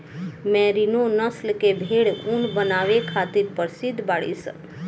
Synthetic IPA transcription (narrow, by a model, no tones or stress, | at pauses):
mɛɾinonəslkebʱeɭunbənaʋekʰat̪iɾpəɾsid̪ʱbaɭḭsə̰